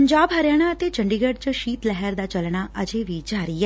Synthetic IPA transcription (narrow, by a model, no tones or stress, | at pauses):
əɲd͡ʒaːbɦəɾjaːɽ̃aːət̪eːt͡ʃəɳɖiːɡəɖt͡ʃəʃiːt̪lɛɦəɾd̪aːt͡ʃəlɳ̃aːʔəd͡ʒeːʋiːd͡ʒaːɾiːɛː